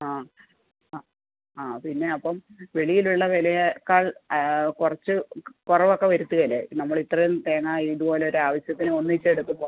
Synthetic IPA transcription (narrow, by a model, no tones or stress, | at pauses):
aː | aːpinːe̞ɐpːɐmʋe̞ɭijiluɭːɐʋelɐjɐkːaːɭkurɐt͡ɕːɨkurɐʋokːe̞ʋɐɾut̪ːuɣɐlːḛnɐmːɐɭit̪rɐjumt̪eːŋːaːiːðupo̞ːleoɾaːʋɐɕjɐt̪ːinɨo̞nːuit͡ɕːeɽut̪ːumbo̞ː